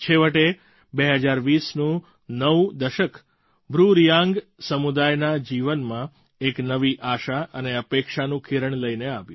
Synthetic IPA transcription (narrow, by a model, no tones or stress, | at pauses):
t͡ʃʰeʋəʈe | beɦəd͡ʒaɾʋisnũ | nəʋd̪əʃək | bɾuɾjãŋɡsəmud̪ajnad͡ʒiʋənmã | eknəʋiʔaʃaəneəpekʃanũkʰiɾəɳləjneaʋjũ